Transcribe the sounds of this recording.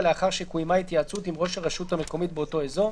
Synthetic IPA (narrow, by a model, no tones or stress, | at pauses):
leaχaʁʃekujmajit̪jaːt͡sut̪imʁo̞ʃaʁeʃut̪ameko̞mit̪̚beot̪o̞ezo̞